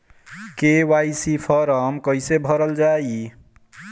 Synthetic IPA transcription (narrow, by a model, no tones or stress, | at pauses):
kewajsipʰɔɾəmkəjsebʱʌɾəld͡ʒai